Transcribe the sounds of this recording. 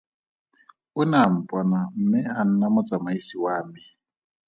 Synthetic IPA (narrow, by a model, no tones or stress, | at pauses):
ʊnam̩pʼwanam̩mɪɦan̩namʊt͡sʼamaisiwaːmɪ